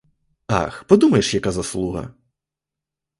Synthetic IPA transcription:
a̰xpɔd̪umɐjeʃjɐkazɐslˠuɦɐ̰

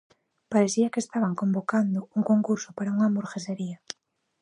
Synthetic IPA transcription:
paɾeθiɐkest̪aβaŋkombokand̪ʊuŋkoŋkuɾsʊpaɾauŋamoɾxeseɾia

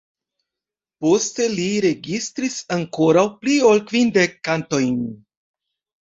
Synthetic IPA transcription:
po̞ste̞liɾe̞ɡistɾisaŋko̞ɾawplio̞lkvindekːanto̞jn

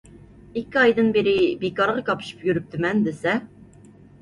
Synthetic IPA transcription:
ikʲʰːiɑjd̪ɨnbeɾɪbekɑɾʁɑkɑpɨ̥ʃɨ̥pjyɾyp̚t̪ʰɪmɛnd̪ɪsɛ

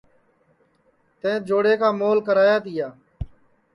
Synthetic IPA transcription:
t̪ẽːd͡ʒoːɽeːkaːmoːlkəɾaːjaːt̪ɪjaː

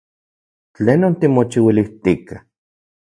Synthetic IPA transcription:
t͡ɬeːnont̪imot͡ʃiwiliht̪ika

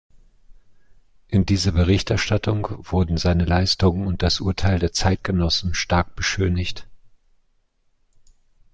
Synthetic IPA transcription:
ʔɪndiːzɐbəʁɪçtʔɛɐʃtatʰʊŋv̥ʊɐdn̩zaɪnəlaɪstʊŋənʊnt̚d̥asʔṵɐtʰaɪldeːɐt͡saɪt̚ɡ̥ənɔsn̩ʃtaɐk̚b̥əʃøːnɪçt

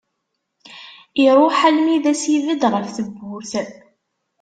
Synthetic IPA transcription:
iɾˤʊħalmiðæsiðəd̪ʁəfθəbːʊɾθə

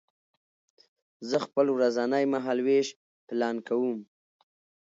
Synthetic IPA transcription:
zəxpəlwɾazanajmaɦɑlweʃ | plɑnkawum

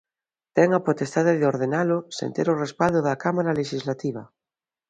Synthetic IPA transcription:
t̪ɛŋapot̪est̪aðeðeoɾðenalʊsḛnt̪eɾorespald̪oðakamaɾaleʃizlat̪iβ̞a

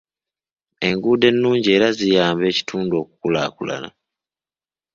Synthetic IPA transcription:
e̞ŋɡuːde̞nːuːɲɟie̞ːɾazijaːmbe̞ːci̥tʰuːndo̞ːku̥kulaːkula̰na̰

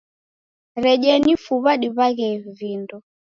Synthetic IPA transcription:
ɾɛʄɛnifuβaɗiβaɣɛvindɔ

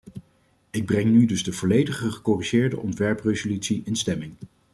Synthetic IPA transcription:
ɪɡ̚brɛŋnydɵzdəvɔlejdəχəχəkɔriʒɪːɹdə̰ʔɔntʋɛɹprezolytsiʔɪnstɛmɪŋ

